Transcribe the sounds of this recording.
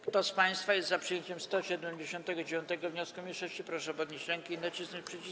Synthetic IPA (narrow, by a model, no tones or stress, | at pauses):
kt̪ɔspaj̃st̪fajɛst̪zapʂɨjeɲt͡ɕɛmst̪ɔɕɛd̪ɛmd͡ʑeɕɔ̃nt̪ɛɡɔd͡ʑevʲjɔ̃nt̪ɛɡɔvɲɔskumʲiʂɔɕt͡ɕipɾɔʂɛɔpɔd̪ɲet͡ɕɾɛŋkʲiːnat͡ɕisnɔt͡ɕʲpʂɛt͡ɕi